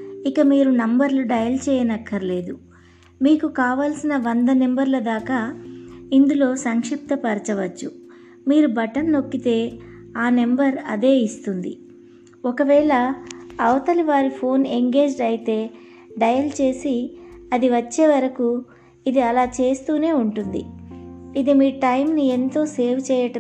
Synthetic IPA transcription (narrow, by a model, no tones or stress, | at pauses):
ikɐmiːɾunɐmbɐɾluɖɐjɐlt͡ʃɛːjɐnɐkːɐɾle̞ːd̪u | miːkukaːʋaːlsinɐʋɐnd̪ɐnembɐɾlɐd̪aːkaːind̪ulo̞ːsɐŋkʂip̚t̪ɐpɐɾt͡ʃɐʋɐt͡ʃːu | miːɾubɐʈɐnːo̞kːit̪e̞ː | aːne̞mbɐɾɐd̪e̞ːist̪und̪ḭ | ɔkɐʋɛːɭɐːʋɐt̪ɐliʋaːɾipʰo̞ːneŋɡe̞ːd͡ʒɖɐjit̪e̞ː | ɖɐjɐlt͡ʃe̞ːsiɐd̪iʋɐt͡ʃːe̞ːʋɐɾɐku | id̪iɐlaːt͡ʃe̞ːst̪uːne̞ːuɳʈund̪ḭ | id̪imiːʈɐjmnie̞nt̪o̞ːse̞ːʋt͡ʃɛːjɐʈɐ